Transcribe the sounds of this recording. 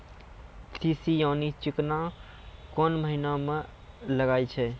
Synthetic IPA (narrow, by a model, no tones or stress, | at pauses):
sisijaːnit͡ʃɪkna | kɔːnməɦinamẽ | ləɡaːit͡ʃʰɛ